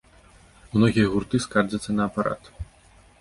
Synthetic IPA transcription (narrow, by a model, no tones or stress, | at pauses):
mnɔɣʲijɐɣurt̪ɨskard͡zɐt̪sːɐnɐːpaɾa̰t̪